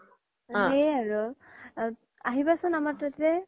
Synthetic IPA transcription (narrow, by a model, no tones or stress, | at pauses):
ɦeaɹu | aɦibasʊnamatɔtɛ